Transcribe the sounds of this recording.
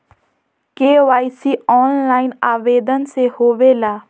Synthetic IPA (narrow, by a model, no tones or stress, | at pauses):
keːʋaːisiːɔːnlaːɪnaːʋeːd̪ənsehoːʋeːlaː